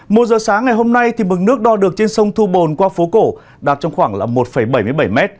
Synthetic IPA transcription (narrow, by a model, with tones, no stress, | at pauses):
mo˨˩t̚zəː˨˩saː˨˦ŋːa˨˩jɦo˧mna˧jt̪ʰi˨˩mɨ˨˩ŋ̚nɨ˦˥ək̚ɗɔ˧˩ɗɨ˨˩ək̚t͡ɕe˧nsə˧wŋ͡mt̪ʰu˧ɓo˨˩nkwaː˧fo˨˦ko̰˧˩ | ɗaː˨˩t̚t͡ɕɔ˧ŋ͡mxwaː˧˩ŋla̰ː˨˩mo˨˩t̚fə˧˩jɓə˧˩jmɨ˧əjɓa˧˩jmɛ˦˥t̚